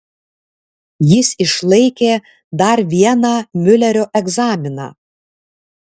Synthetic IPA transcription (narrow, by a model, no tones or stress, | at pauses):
jɪsɪʃlˠɐɪkʲeː | d̪ɐɾʋʲiɛnɑːmʲʊlʲɛɾʲoːʔɛɡzɑːmʲɪnɑ̰ː